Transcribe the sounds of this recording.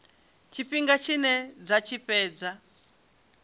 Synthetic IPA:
t͡ʃʰiɸiŋɡat͡ʃʰinɛd͡zat͡ʃʰiɸɛːd͡za

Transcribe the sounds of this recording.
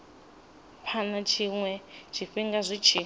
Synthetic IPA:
ɸʰanat͡ʃʰiŋwɛt͡ʃʰiɸiŋɡazʷit͡ʃʰi

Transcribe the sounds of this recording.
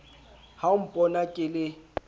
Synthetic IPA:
haʊm̩pʼɔnakʼɪlɪ

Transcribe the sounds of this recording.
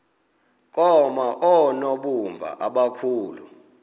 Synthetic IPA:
k̬ʼɔmaʔɔnɔɓumvʱa̰ʔaɓakʰuːlu

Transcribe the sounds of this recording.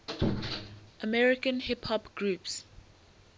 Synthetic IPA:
ʔəmɛɹɪkə̃nhɪphɔbɡ̥ɹups

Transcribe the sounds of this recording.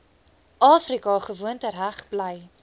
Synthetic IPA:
ʔɑːfrikɑχəvuəntəɾæχb̥ləj

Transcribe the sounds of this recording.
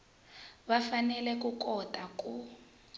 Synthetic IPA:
βafanɛlɛkukɔtʼakʼu

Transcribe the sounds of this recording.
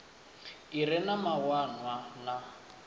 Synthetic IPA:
iɾɛnamawanwana

